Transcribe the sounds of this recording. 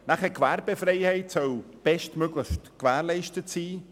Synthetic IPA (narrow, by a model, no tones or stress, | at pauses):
naχɛkvɛːɾbefreɪhɛɪtsœlb̥ɛʃtmøɡlɪʃtkvɛːɾlɛɪʃtətsiː